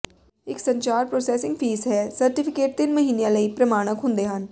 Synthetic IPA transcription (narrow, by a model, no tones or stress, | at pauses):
ɪksɐ̃ɲt͡ʃaːɾpɾoːsɛːsɪ̃ŋɡfʰiːzɦɛsɐɾʈɪpʰɪkeːʈ̚t̪ɪnmɐɦiːnejãlɐipɾɐmaːɽ̃əkɦʊ̃nd̪eɦan